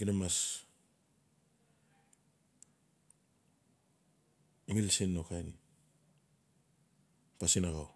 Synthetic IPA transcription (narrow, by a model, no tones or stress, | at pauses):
ɡinamas | imilsenːokajni | pasinaɣaw